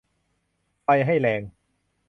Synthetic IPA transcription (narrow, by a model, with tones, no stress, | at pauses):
fa˧jɦa˥˩jlɛː˧ŋ